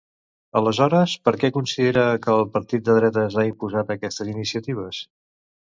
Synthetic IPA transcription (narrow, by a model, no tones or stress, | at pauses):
ələzɔɾəspəɾkɛkunsiðeɾəkəːlˠpəɾt̪it̪̚d̪əðɾɛt̪əzaimpuzat̪əkɛst̪əzinisiət̪iβ̞əs